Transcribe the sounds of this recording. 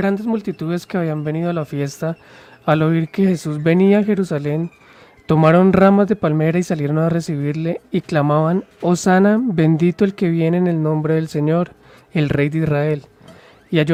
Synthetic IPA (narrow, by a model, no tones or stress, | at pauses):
ɾand̪e̞zmult̪it̪uðe̞skeaβ̞iambe̞niðoalafje̞st̪aː | lo̞iɾke̞xe̞suzbe̞niaaxe̞ɾusale̞n | t̪o̞maɾo̞nramazd̪e̞palme̞ɾaisalje̞ɾo̞nare̞siβiɾle̞iklamaβanosanabe̞nd̪it̪oelke̞βje̞ne̞ːne̞lnõ̞mbɾe̞ðe̞lse̞ɲo̞ɾ | e̞lre̞jd̪eisrae̞l | ia